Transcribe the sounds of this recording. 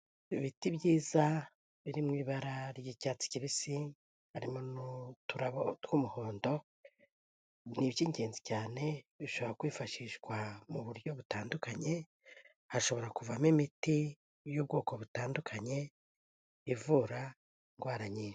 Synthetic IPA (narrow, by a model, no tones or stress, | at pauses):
iβitibɟiːza | βiɾimŋiːβaɾaɾɟicaːt͡si̥ciβisi | haɾimo̞nutuɾaβotwumuho̞ːndo̞ | niβjiːɲe̞ːnzicaːne̞βiʃo̞βoɾakwiːfaʃiʃɡwamuβuɾjo̞βutaːndukaɲe̞ | haʃo̞βo̞ɾakuvamimiti | jub̚ɡoːko̞βutaːndukʰaɲe̞ | ivuɾa | ŋɡwaːɾaɲiːne